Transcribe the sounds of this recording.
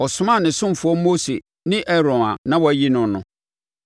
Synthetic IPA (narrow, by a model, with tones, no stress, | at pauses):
ɔ˨sʊ˨mã˦˨nɪ̃˨sʊ̃˦m˨fʊ˨˦ɔ˦mo˦se˨ | nɪ̃˦ʔɛ˦ɾɔ̃˨nã̰˨nã˦wɔ˨æ˨ji˦nʊ̃˨nʊ̃˨